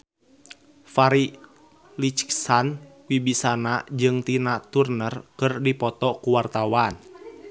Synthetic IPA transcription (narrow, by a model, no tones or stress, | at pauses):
faɾi | lit͡ʃksankwibisanad͡ʒɨŋt̪inat̪urnərkɨrdipɔt̪ɔkuwart̪awan